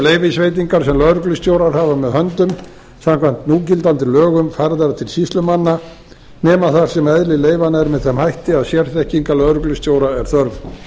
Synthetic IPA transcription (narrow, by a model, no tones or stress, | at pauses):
leːjvɪsveːjt̪̬iŋkaɾ̥sɛmlœðɾʏklʏst̪joːwɾaɾ̥haːvamɛðhœnt̪ʏm | samkʰvajnt̪nuːcɪlt̪ant̪ɪlœːɣʏmfaɾðaɾt̪ʰɪlsist̪lʏmanːa | nɛːmaθaɾ̥sɛmɛðlɪleːjvanaɛɾmɛðθɛmhajht̪ɪaðsjɛɾ̥θɛhciŋkalœðɾʏklʏst̪joːwɾaɛɾ̥θœɾv